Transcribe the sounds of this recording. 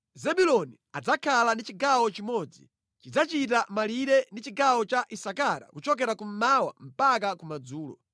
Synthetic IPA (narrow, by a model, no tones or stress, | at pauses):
zɛɓulɔni | ad͡zakʰalandit͡ʃiɡawɔt͡ʃimɔːd͡zḭ | t͡ʃid͡zat͡ʃit̬amaliɾɛndit͡ʃiɡawɔt͡ʃaʔisakaɾa̰kut͡ʃɔk̬ɛɾakum̩mawa̰m̩pakakumad͡zuːlɔ̰